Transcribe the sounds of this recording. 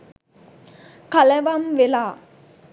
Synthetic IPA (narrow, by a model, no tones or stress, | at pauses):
kaləʋamʋelaː